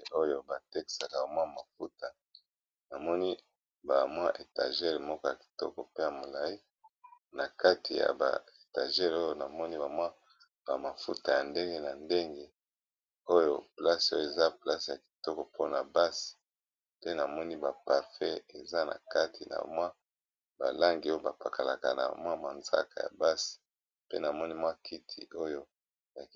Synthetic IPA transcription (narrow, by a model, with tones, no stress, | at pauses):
o˦jo˨ba˨tɛ˦ki̥˨sa˨ka˨o˨mwa˦˨ma˨fu˦ta˨ | na˨mɔ˦ni˦ | ba˨mwa˦ʔe˨tã˨ʒe˦ʁmɔ˦kɔ˦ja˨ki̥˨tɔ̰˦kɔ˨pe˦ja˨mo˨la˨i˦ | na˨ka˦tʰi˨ja̰˨ba̰˨e˨tã̰˨ʒɛ˦ʁo˦jo˦na˨mɔ˦ni˦ba˨mwa˦ | ba˨ma˨fṵ˦ta˨ja˨nde˦ŋɡe˦na˨nde˦ŋɡe˦ | o˦jo˦pla˦so˦jo˦˨e˨za˦pla˦sja˨ki̥˨tɔ˦kɔ˨pʰo˦na˨ba˦si̥˨ | pe˦na˨mɔ˦ni˦ba˨pa˨ʁfɛ˦e˨za˦nʔa̰˨ka˦tʰi˨na̰˨mwa˦ | ba̰˨la˦ŋɡi˨o˦jo˦ba˨pa˨ka˨la̰˨ka̰˨na̰˨mwa˦ma˨nza̰˦ka˨ja̰˨ba˦si̥˨ | pḛ˦na˨mɔ˦ni˦mwa˦kʰi˦tʰḭ˨o˦jo˦ | ja˨k